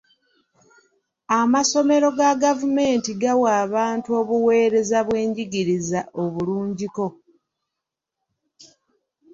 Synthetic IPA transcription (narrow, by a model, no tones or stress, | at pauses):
amaso̞me̞ɾo̞ɡaɡavume̞ːntiɡawaːβaːntuo̞ːβuwe̞ːɾe̞zaβwe̞ːɲɟiɡiɾizaʔo̞βuluːɲɟiko̞